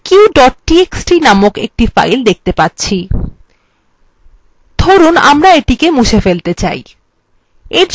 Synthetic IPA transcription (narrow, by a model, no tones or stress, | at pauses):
kiwɖɔʈ̚ːieksʈɾinamokḛk̚ʈifa̰jld̪ek̚ʰt̪epatːɕʰi | d̪ʱoɾuna̰mɾaeʈikemuʃefelt̪et͡ɕa̰j | eɾd͡ʑ